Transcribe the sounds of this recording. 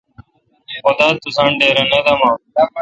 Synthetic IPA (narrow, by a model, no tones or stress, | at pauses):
od̪aːt̪ʊsãːɳɖeːɾənẽːd̪aːmãː